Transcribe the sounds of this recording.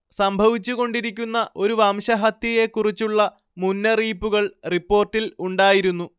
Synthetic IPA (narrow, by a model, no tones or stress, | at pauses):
sɐmbʱɐʋit͡ɕːuɣo̞ɳɖiɾikʲːunːɐʔo̞ɾuʋɐmɕɐɦɐt̪ːije̞kːurit͡ɕːuɭːɐ | munːɐriːpːuɣɐɭripːo̞ːrʈːiluɳɖaːjiɾunːu